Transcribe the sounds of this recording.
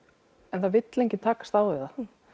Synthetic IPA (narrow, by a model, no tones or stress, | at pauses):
ɛnθavɪt̪lejɲcɪnt̪ʰaːkḁst̪awvɪða